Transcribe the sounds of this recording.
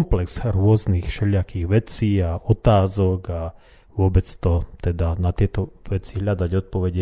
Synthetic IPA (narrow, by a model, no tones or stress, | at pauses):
mplɛkz̥ɾʊɔznixʃɛʎɪakiɣʋɛt͡siːaɔt̪aːzɔɡa | ʋʊɔbɛt͡st̪ɔt̪ɛd̪anat̪ɪɛt̪ɔʋɛt͡siɦʎad̪aɟɔt̪̚pɔʋɛɟɛ